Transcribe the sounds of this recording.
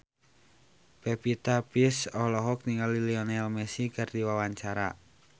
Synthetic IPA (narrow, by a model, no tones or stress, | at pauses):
pepit̪apisɔhlɔɦɔk̚niŋaliliɔnɛlmɛsikard̪iwawaɲt͡ʃaɾa̰